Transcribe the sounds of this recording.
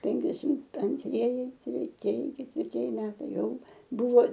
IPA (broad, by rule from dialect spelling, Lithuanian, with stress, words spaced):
ˈpʲɛŋʲkʲɛsʲɪm ɐnʲtʲˈrʲiɛjɪ tʲrʲɛˈtʲiɛjɪ kʲɛtʲʋʲɪrʲˈtʲiɛjɪ ˈmʲæːtɐɪ ˈjɛʊ ˈbʊʋoː